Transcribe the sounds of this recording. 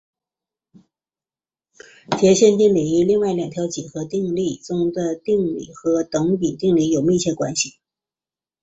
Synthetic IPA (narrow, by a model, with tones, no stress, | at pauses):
t͡ɕjɛ˧˥ɕjɛ˥˧nt̪i˥˩ŋli˨˩i˥˧li˥˧ŋwa˥˩ɪljɑ˨˩ŋt̪ʰjɑ˧˥ʊt͡ɕi˨˩xɤ˧˥t̪i˥˧ŋli˥˩t͡sʊ˥˩ŋd̪ə˧t̪i˥˧ŋlḭ˥˩xɤ˧˥t̪ɤ˧˥ŋpi˨˩t̪i˥˩ŋli˧˥jo˨˩ʊmi˥˩t͡ɕʰjɛ˥˩kwa̰˥nɕi˨˩